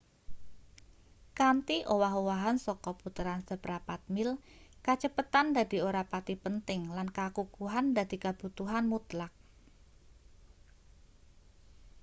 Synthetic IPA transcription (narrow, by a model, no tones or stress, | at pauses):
kant̪iʔowaɦowaɦansɔkɔput̪əɾansəbɾapat̪̚mɪlkat͡ʃəpət̪and̪ad̪i̤oɾapat̪ipənt̪ɪŋlankakukuɦand̪a̤d̪̥i̤kab̥ut̪uɦanmut̪lak̚